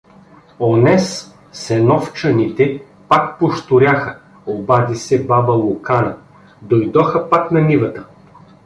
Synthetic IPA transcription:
onɛs | sɛnɔft͡ʃənit̪ɛ | pakpoʃt̪ʊɾʲaxə | obad̪isɛbabəlˠʊkanə | d̪ojd̪ɔxəpaknɐnivət̪ə

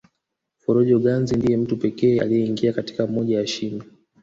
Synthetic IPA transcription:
fɔɾɔʄɔɠanzindijɛm̩tupɛkɛːa̰lijɛiŋɡiakati̥kam̩mɔʄajaʃimi

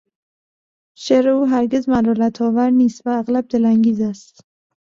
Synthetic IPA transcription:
ʃeɾɪuɦæɾɡʲezmaɾɔlat̪ʰɒːvaɾnist̪vaːɣlab̚d̪elaŋɡʲizast̪

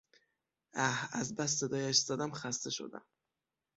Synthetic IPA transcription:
æhæzbæs̬ːe̞d̪ɒːjæʃz̥æd̪æmxæst̪e̞ʃo̞̰d̪æ̰m

